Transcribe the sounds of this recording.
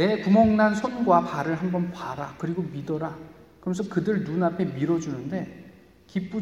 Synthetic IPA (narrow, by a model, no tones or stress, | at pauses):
ne̞kumʌŋnansʰonɡwapaɾɯɭɦambʌnpaɾakɯɾiɡomidʌɾa | kɯɾʌmnsʰʌkɯdɯɭnunapʰe̞miɾʌd͡ʑunɯnde̞ | kip͈u